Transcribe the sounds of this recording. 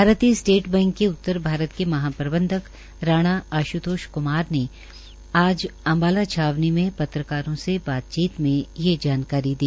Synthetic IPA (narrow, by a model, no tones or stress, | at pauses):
bʱaːɾət̪isʈeːʈbɛ̃ːŋkːeʊt̪ːəɾbʱaːɾət̪kemɐɦaːpɾəbə̃nd̪ʱək | ɾaːɽ̃aaːʃut̪oːʃkʊmaːɾne | aːd͡ʒɐ̃mbaːlat͡ʃʰaːʋnimẽpɐt̪ɾəkaːɾõsebaːt̪̚t͡ʃiːt̪mẽjed͡ʒaːnkaːɾid̪iː